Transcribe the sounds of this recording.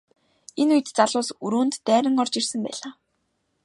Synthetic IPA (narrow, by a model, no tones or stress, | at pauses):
enujɘ̆t̪t͡saɮʊːsuɾuːnt̪ːæːɾə̆ŋɔrt͡ɕirsə̆mpæ̰ːɮaː